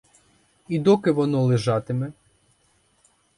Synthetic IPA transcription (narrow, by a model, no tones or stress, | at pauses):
id̪ɔkɪʋɔnɔlˠeʒɑt̪ɪmɛ